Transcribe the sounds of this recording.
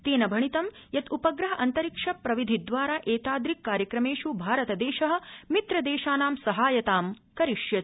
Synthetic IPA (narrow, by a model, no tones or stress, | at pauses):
t̪eːnɐbʱɐɳit̪ɐmjɐt̪upɐɡɾɐɦɐʔɐnt̪ɐɾikʂɐpɾɐʋid̪ʱid̪ʋaːɾaːʔeːt̪aːd̪ɾikːaːɾjɐkɾɐmeːʃubʱaːɾɐt̪ɐd̪eːʃɐɦɐ̆mit̪ɾɐd̪eːʃaːnaːmsɐɦaːjɐt̪aːm | kɐɾiʃjɐt̪